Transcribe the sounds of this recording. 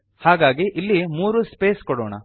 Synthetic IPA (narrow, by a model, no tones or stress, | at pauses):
haːɡaːɡiʔilːimuːɾuspeːskɔɽoːɳɐ̰